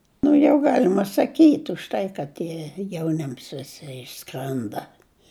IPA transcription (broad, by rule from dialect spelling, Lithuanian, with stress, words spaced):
nʊ ˈjɛʊ ˈɡɑːlʲɪmɐ sɐˈkʲiːtʲ ʊʃ ˈtɐɪ kɐt ˈtʲiɛ jɛʊˈnʲɪms ʋʲɪˈsʲɪ ɪʃˈskrʲɛndɐ